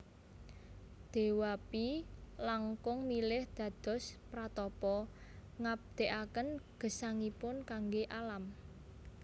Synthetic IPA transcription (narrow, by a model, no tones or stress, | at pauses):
d̪̥e̤wapilaŋkʊŋmilɪhd̪̥ä̤d̪̥ɔ̤spɾat̪ɔpɔŋab̚d̪̥e̤ʔakənɡ̥ə̤saŋipʊnkaŋɡeʔalam